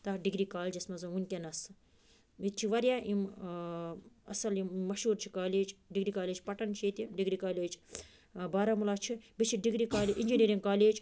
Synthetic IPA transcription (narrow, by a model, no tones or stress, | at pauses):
t̪ɐɖiɡɾiːkaːld͡ʒɐsmɐzɐunʲkʲenɐs | ʋit̪̚t͡ʃʰiʋɐɾjaːʔim | ɐ̰sɐlimːɐʃuːɾt͡ʃʰi̥kaːleːd͡ʒɖiɡɾiːkaːleːd͡ʒpɐʈɐnt͡ʃʰeːt̪iɖiɡɾikaːleːd͡ʒ | baːɾamulaːt͡ʃʰibit͡ʃʰiɖiɡɾikaːleʔinʲd͡ʒiniːɾiŋɡ̚kaːleːd͡ʒ